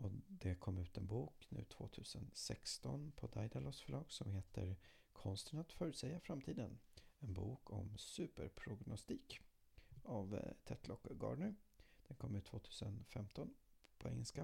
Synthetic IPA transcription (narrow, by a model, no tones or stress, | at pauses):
ɔd̪ɛkʰɔmːʉ̟ːt̪ɛnbuːknʉ̟ːt̪ʰv̥oːt̪ʰʉ̟ːsənsɛkst̪ɔnpʰɔd̪ajd̪alɔsfœɭɑːɡsɔmheːt̪ʰəɾ | kʰɔnst̪ənat̪fœːɾʉsɛjːafɾamt̪ʰiːd̪ənɛnbuːkʰɔ̰msʉ̟ːpəɾpʰɾʊɡnʊst̪iːk | avt̪ʰɛt̪ʰlɔkːɡɑ̰ːɖɳəd̪̥ɛnkʰɔmːʉ̟t̪ʰːvoːt̪ʰʉ̟ːsənfɛmt̪ɔnpʰɔɛŋːəlska